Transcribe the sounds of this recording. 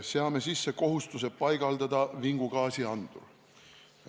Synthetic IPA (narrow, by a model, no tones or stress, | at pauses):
seɑme̞sisːe̞ko̞ɦust̪use̞pɑjɡ̥ɑld̪̥ɑd̪̥ɑviŋɡ̥uɡ̥ɑːsiɑnd̪̥ṵ